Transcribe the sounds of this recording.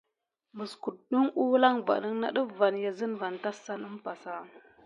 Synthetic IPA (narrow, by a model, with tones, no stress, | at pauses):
mə˨sku˨du˦ŋu˦la˦ŋva̰˨nə˦ŋna̰˦ɗə˦va˨nja˨zə˦nva˨nta˦sa˦nə˦m˦pa˨sa˦